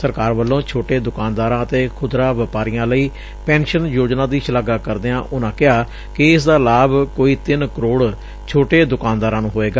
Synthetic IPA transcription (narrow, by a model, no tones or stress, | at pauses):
səɾkaːɾʋəlːõːt͡ʃʰoːʈeːd̪ʊkaːnd̪aːɾãːət̪eːkʰʊd̪ɾãːʋəpaːɾiːãːləiː | pɛ̃ːnʃənjoːd͡ʒnãːd̪iːʃəlaːɡaːkəɾd̪eːãːʔʊnãːkɪɦaː | kɪɪsd̪aːlaːbkoːiːt̪ɪnkəɾoːɽ | t͡ʃʰoːʈeːd̪ʊkaːnd̪aːɾãːnũːɦoːeːɡaː